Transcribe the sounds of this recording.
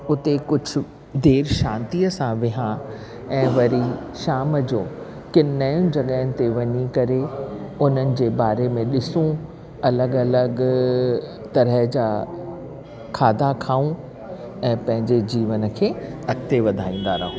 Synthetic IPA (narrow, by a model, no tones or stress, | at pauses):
ʊt̪ekʊd͡ʑʱʊ̆ | d̪eːɾʃãːnt̪iːəsãʋɪɦã | ɛ̃ːʋɐɾiʃaːməd͡ʑoː | kɪnnaːjʊ̃nɪ̆d͡ʑɐɠəːɪnɪ̆t̪eʋɐɲikɐɾeʊn̤ənɪ̆d͡ʑeːbaːɾemẽɗɪsũ | ɐləɡɐləɡ | t̪ɐɾəɦd͡ʑaː | kʰaːd̪ʱakʰaːũ | ɛ̃ːpɐ̃ɦɪ̃ɲd͡ʑed͡ʑiːʋənə̆kʰeːɐkt̪eʋɐd̪ʱaːĩːn̆d̪aɾɐɦũ